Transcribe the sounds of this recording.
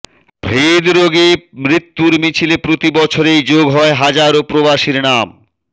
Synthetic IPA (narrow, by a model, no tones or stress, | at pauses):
bʱɾed̪ɾoɡemɾit̪ːuɾmit͡ɕʰilepɾot̪ibɔt͡ɕʰoɾejd͡ʑoɡɦɔeɦad͡ʑaɾopɾobaʃiɾnam